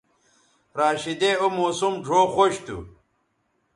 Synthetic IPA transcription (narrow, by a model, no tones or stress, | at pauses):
ɾaːɕid̪eomoːsumɖʱoːxoɕt̪ṵ